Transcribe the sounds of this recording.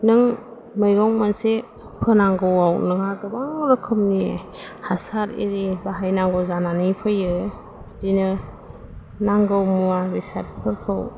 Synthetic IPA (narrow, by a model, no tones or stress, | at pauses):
nɯŋ | mɯjɡɔŋmanse | pʰɯnaŋɡɯwawnɯŋaɡɯbaŋɾɯkʰɯmnie | hasaɾḭɾibaɦajnaŋɡɯwzananipʰɯjɯ | zinɯ | naŋɡɯwmuabisat̚pʰɯɾkʰɯw